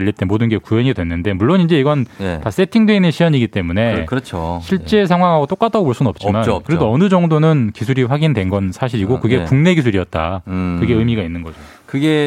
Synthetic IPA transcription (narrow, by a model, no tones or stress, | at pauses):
ʎːit͈emodɯnɡe̞kueɲidwe̞nːɯnde̞muɭːonind͡ʑe̞iɡʌntas͈e̞tʰiŋdwe̞inːɯnɕʰijʌɲiɡit͈e̞mune̞kɯɾʌt͡ɕʰoɕʰiɭt͡ɕ͈e̞sʰaŋɦwaŋɦaɡot͈ok͈atʰaɡooɭs͈unnʌp̚t͡ɕ͈imankɯɾedoʌnɯd͡ʑʌŋdonɯnkisʰuɾiɸwaɡindwe̞nɡʌnsʰaɕʰiɾiɡokɯɡe̞kuŋne̞ɡis̬ʰuɾiʌt̚t͈a̰kɯɡe̞ɯmiɡainːɯnɡʌd͡ʑo | kɯɡe